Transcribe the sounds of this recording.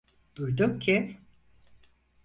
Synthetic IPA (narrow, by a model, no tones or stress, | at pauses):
d̪̥ujd̪ukcʰi